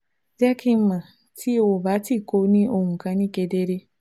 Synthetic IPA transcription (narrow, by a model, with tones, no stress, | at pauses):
d͡ʒɛ˦kĩ˦mã˨ | tʰi˦o˨baː˨˦ti˦˨ko˦nĩ˦ʔo˨ŋũ˨kã˦nĩ˦ke˨de˦ɾe˦